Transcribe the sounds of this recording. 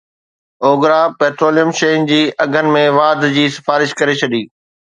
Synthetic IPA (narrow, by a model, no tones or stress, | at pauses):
oːɡɾapeːʈɾoːlijəmʃeːɪnd͡ʑiːɐɡʱənɪ̆mẽʋaːd̪d͡ʑiːsɪ̥faːɾɪʃkɐɾet͡ɕʰɐɗiː